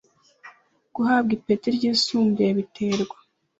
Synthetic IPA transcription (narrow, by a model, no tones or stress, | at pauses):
ɡ̥uɦaːb̚ɡipetiɾɟiːsuːmbeβitʰeːɾɡwa